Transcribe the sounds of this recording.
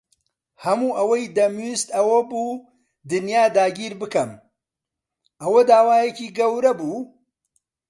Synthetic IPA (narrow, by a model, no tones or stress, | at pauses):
hɐmuːʔɐwɐjd̪ɐmist̪ɐwɐbuː | d̪ɨnjaːd̪aːɡiːɾbɨkɐm | ʔɐwɐd̪aːwaːjeciːɡɐwɾɐbuː